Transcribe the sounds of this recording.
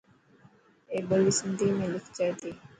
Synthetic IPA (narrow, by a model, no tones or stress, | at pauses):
eːbəlisənt̪imẽlɪkʰd͡ʒajt̪iː